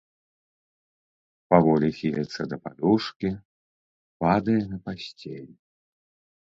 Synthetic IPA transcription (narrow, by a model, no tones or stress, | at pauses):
pavɔlʲixʲilʲɐt̪sɐd̪ɐpa̰d̪uʂkʲi | pad̪ɐjɛnɐpasʲt͡sʲelʲ